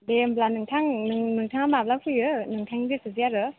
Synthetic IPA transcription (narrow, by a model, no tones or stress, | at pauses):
demblanɯŋtʰaŋɯŋnɯŋtʰaŋamab̚lawkʰɯjɯnɯŋtʰaŋiɡɯsɯzijaɾɯ